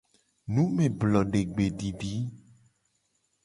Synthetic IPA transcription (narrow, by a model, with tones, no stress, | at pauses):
nũ˦mẽ˨blɔ˨ɖe˨ɡ͡be˨ɖi˨ɖi˨˦